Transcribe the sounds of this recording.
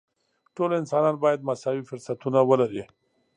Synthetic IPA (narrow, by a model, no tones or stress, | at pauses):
ʈolɪnsɑnɑnbɑjad̪̚masɑwifʊɾsat̪unawəlaɾi